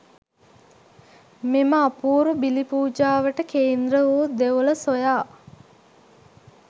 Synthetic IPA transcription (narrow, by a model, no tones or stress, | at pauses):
meməapuːɾubilipuːd͡ʒaːʋəʈəkeːnd̪ɾəoːd̪eʋoləsojaː